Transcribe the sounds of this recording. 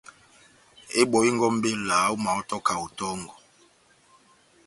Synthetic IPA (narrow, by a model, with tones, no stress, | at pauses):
e˦ɓɔ˨i˦ŋɡɔ˦m̩˦be˦la˨˦u˦ma˨ɔ˦tɔ˦ka˨u˨tɔ˦ŋɡɔ˨